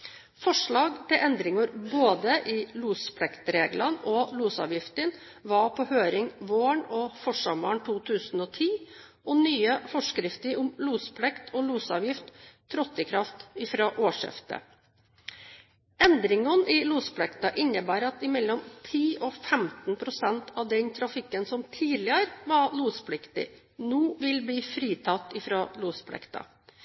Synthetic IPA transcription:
fɔʂɭɑːɡt̪ʰɪlʔɛnd̪ɾɪŋɑɾboːd̪əʔɪluːspʰlɛkt̪ɾeːɡlɑnɔluːsɑ̰ːʋjɪft̪ən | ʋɑpʰɔhøːɾɪŋʋoːɳɔfɔʂɑmɑɳt̪ʰuːt̪ʰʉːsnɔːt̪ʰiː | ɔnyːəfɔʂkɾɪft̪əɾʊmluːspʰlɛkt̪ʰɔluːsɑːʋjɪft̪ʰː | ɾɔt̪ːəkʰɾɑft̪ɪfɾɑːʔoːʂɪ̰ft̪ə̰ | ɛnd̪ɾɪŋɑnɪluːspʰlɛkt̪ɑʔɪnːəbæːɾɑt̪ɪmɛlːɔmt̪ʰiːʔɔfɛmt̪npʰɾʊsɛnt̪ʰɑʋd̪ɛnt̪ʰɾɑfɪkːənsɔmt̪ʰiːlɪəɾʋɑluːspʰlɪkt̪ɪ̰ | nuːʋɪlbliːfɾiːt̪ʰɑt̪ːɪfɾɑːluːspʰlɛ̰kt̪ɑ̰

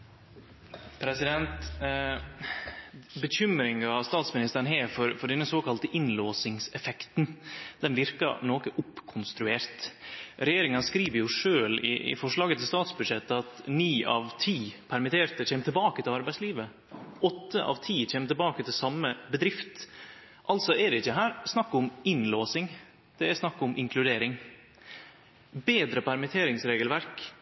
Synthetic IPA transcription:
pʰɾɛsɪd̪ɛnt̪ | bəçʏmɾɪŋɡɑst̪ɑːt̪smɪnɪst̪əɾnɦeːɾfɔɾfɔɖɛnːəsoːkʰɑlt̪əʔɪnloːsɪŋsɛfɛkt̪nd̪̥ɛnʋɪɾkɑ̰noːkəʔʊpkʰʊnst̪ɾʉeːɾt̪ɾɛjeːɾɪŋɑnəskɾiːʋəɾjʊʂøːlɪ̰ʔɪ̰fɔʂlɑːɡət̪ʰɪlst̪ɑːt̪sbʉd̪ʂɛt̪ːɑt̪niːʔɑʋt̪ʰiːpʰæɾmɪt̪ʰeːɾt̪əçʰeːmt̪ʰɪlbɑːkət̪ʰɪlɑɾbæɪsliːʋə | ʔɔt̪ːəʔɑ̰ʋt̪ʰiːc͡çʰeːmət̪ɪlbɑːkət̪ʰɪlsɑmːəbəd̪ɾɪft̪ | ʔɑlt̪sɔɛɖɛɪçːəɦæːɾsnɑkːʊmɪnloːsɪŋ | d̪̥ɛæsnɑkːʊmʔɪŋkʰlʉd̪eːɾɪŋ | beːd̪ɾəpʰæɾmɪt̪ʰeːɾɪŋsɾeːɡəlʋæɾk

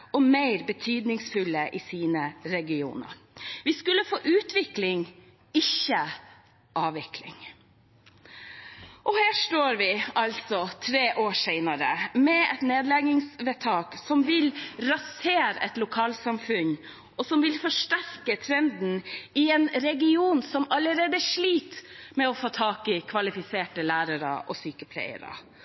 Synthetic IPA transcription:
ɔmæɪɾbət̪ʰyːd̪nɪŋsfʉlːəʔɪsiːnəɾɛɡɪṵːnə̰ɾʋɪskʉlːəfoːʔʉːt̪ʋɪklɪŋ | ɪçə | ʔɑːʋɪklɪ̰ŋ | ʔɔhæːʂʈoːɾʋɪɑlsɔt̪ʰɾeːʔoːʂɛɪnəɾə̰mɛɛt̪neːd̪lɛɡɪŋsʋɛt̪ʰɑːksɔmʋɪlɾɑseːɾɛ̰t̪lʊkʰɑːlsɑmfʉɲ | ɔsɔmʋɪlfɔʂʈæɾkət̪ʰɾɛnd̪n̩ɪɛnɾɛɡɪuːnsɔmɑləɾeːd̪əʂliːt̪mɛɔfoːt̪ʰɑːkɪkʰʋɑlɪfɪseːʈəlæːɾəɾɑ̰ʔɔ̰syːkəpʰlæ̰ɪə̰ɾɑ̰

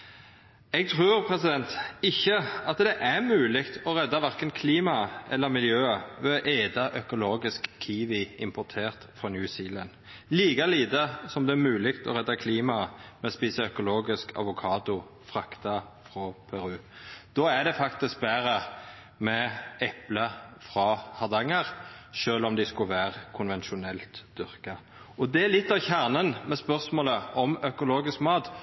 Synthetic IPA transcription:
ɛɡ̚t̪ʰʁʉːɾpʰʁɛsɪd̪ɛnt̪ɪçːəɑt̪d̪ɛʔæmʉːlɪɡt̪ɔʁɛd̪ːɑʋɑʁkənkʰliːmɑʔɛ̰lːəɾmɪljøːəʋɛʔeːd̪ɑʔœkʊloːɡɪskkʰːiːʋɪɪmpʰɔʁt̪ʰeːʁt̪fʁɔnjʉːsiːlənliːkɑliːt̪əsɔmd̪ɛæmʉːlɪkt̪ɔ̰ɾɛd̪ːɑkʰliːmɑmɛɔspiːsəœkʊloːɡɪskʰɑ̰ʋʊkʰɑːd̪ʊ | fʁɑkt̪ɑ | fʁɔpʰæʁʉːd̪̥ɔːæd̪ɛfɑkt̪ɪsk̚bæːɾə | mɛɛpləfʁɑhɑʁd̪ɑŋːəʁʃøːlɔmd̪æɪskʊʋæːʁkʰʊnʋɛnʃʊnɛlt̪d̪̥ʏʁkɑ | ɔd̪ɛælɪt̪ːɑʋçæʁnənmɛspœʁsmoːləɔmœkʊloːɡɪskmɑːt̪

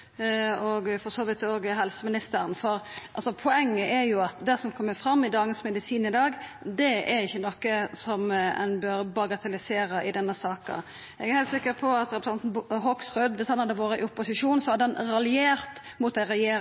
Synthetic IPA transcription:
ɔɡfɔsoːʋɪt̪oːɡɦɛlsəmɪnɪst̪əɾənfɔɾʔɑ̰lsɔpʰʊɛŋːəʔɛɾjʊɑt̪d̪æsɔmkʰɔmːəfɾɑmːɪd̪ɑːɡənsmɛd̪ɪsiːnɪd̪ɑːɡd̪ɛɛɾɪçːənɔkːəsɔmɛ̰nbøːɾbɑɡɑt̪ʰɛlɪseːɾəʔɪd̪ɛnːəsɑːkɑ̰ | ɛɡæɾhɛɪlt̪sɪkːəɾpʰɔɑt̪ɾɛpɾəsɑnt̪n̩ɦɔksʁʉd̪ʋɪshɑnhɑd̪ːəʋoːɾəɪʊpːʊsɪʂuːnsɔɑd̪ɛnɾɑlɪeːɾt̪ | mʊt̪æɪɾɛjeːɾ

